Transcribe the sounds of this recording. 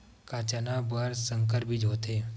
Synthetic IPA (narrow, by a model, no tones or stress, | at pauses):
kaːt͡ʃanabəɾsəŋkəɾbid͡ʒoːt̪eː